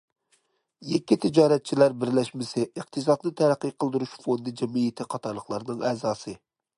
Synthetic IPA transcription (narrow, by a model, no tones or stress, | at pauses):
jɛkʲːit̪ʰɪd͡ʒɑːɾɛt̪̚t͡ʃʰilæɾbɪɾlɛʃmɪsɪəqt̪ʰɨs̬ɑd̪nɨt̪ʰæɾæqːɨjqʰəlˠd̪uɾuʃfond̪ɨd͡ʒɛmijɪt̪ʰɪqʰɑt̪ʰɑɾlˠəχlˠɑɾnɨŋɛːzɑːsɨ